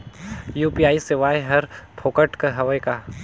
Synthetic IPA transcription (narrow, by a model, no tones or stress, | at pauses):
juːpiːaːisɪʋaːjɦɐɾpʰoːkəʈkɐɦɐʋəjkaː